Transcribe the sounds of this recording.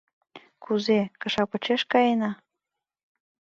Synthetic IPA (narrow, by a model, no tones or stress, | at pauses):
kuzekə̆ʃɑpə̆t͡ɕeʃkɑjenɑ